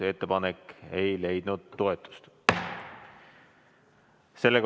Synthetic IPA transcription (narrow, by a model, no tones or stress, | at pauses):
eet̪ːepɑnekːe̞jle̞jd̪̥nud̪̥ːo̞e̞t̪ːˑu̥st̪ | se̞lːeɡ